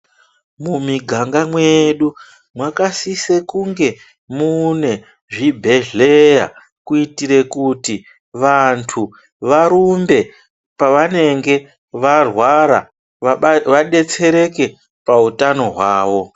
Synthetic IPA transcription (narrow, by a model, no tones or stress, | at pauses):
mumiɡʱaŋɡamweɗu | mwakasisekuŋɡe̞ | mune̞ | ʐibʱe̞ɮeja̰ | kuitiɾe̞kuti | ʋantʰu | ʋaɾumbe̞ | paʋane̞ŋɡe̞ | ʋarwaɾa̰ | ʋaɗe̞t͡se̞ɾe̞ke̞ | pautano̞ɦwaːʋo̞